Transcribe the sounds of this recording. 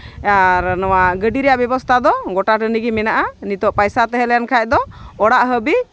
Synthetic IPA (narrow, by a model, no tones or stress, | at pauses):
aɾnɔwaɡəɖiɾɛjaʔbɛbɔst̪ʰad̪ɔɡɔʈaʈəniɡimɛnaʔanit̪ɔʔpajsat̪ɛɦɛlɛjankʰajc̚d̪ɔɔɽaʔɦəbi